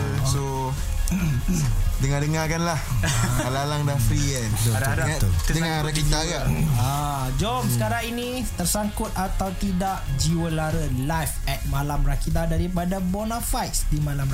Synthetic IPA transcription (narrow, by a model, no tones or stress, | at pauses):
so | dəŋadəŋakanlahalalaŋdafɾiɛnt̪uaudəŋaɾakit̪aɡaa | d͡ʒɔmsəkaɾaŋinĩ | t̪ərsaŋkʊt̪̚at̪awt̪idaʔd͡ʒiwəlaɾəlajfɛt̪̚malamrakit̪adaɾipadabɔnãfajt̪̚sdimãlam